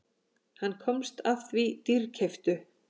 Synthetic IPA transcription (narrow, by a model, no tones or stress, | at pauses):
hanːkʰɔmst̪aft̪vit̪ircʰɛft̪ʏ